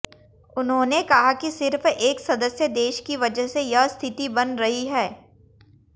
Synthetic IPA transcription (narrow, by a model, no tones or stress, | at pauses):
ʊnɦõːnekɐɦakisɪɾfeːksɐd̪əsjəd̪eːʃkiʋɐd͡ʒəɦsejɐɦst̪ʰɪt̪ibɐnɾɐɦiɦɛː